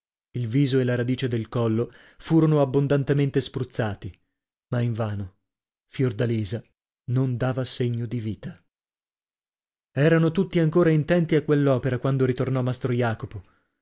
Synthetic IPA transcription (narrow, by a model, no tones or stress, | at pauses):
ilviːzoelaɾad̪iːt͡ʃed̪elkɔlːo | fuːɾonoabːond̪ant̪ement̪espɾut̪sːaːt̪i | maiɱvaːno | fjord̪aliːza | nond̪aːvaseɲːod̪iviːt̪a | ɛːɾanot̪ut̪ːiaŋkoːɾaint̪ɛnt̪iakwelːɔːpeɾakwand̪oɾit̪ornɔmːast̪ɾojaːkopo